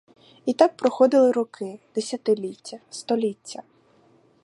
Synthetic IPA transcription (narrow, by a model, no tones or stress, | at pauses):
it̪ɑk̚pɾɔxɔd̪ɪlˠɪɾɔkɪd̪̥esʲɐt̪ɪlʲitʲːɐst̪ɔlʲitʲːɐ